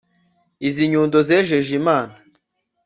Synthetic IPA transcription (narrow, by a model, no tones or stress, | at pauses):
iziɲuːndozɛʒeʒimaːna